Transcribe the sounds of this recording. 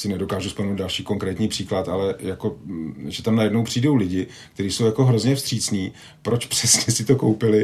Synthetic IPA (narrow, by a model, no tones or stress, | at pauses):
sɪnɛdo̞kaːʒusplmnowt̪dalʃiːko̞ŋkɾɛːt̪ɲiːpr̥iːklat̪alɛjako̞ʒɛt̪amnajɛdnowpr̝̥iːdo̞wlɪɟɪ | kt̪ɛɾiːso̞wjako̞ɦɾo̞zɲɛfst̪r̝̥iːt͡sɲiː | pɾo̞t͡ʃpr̥ɛsɲɛsɪt̪o̞ko̞wpɪlɪ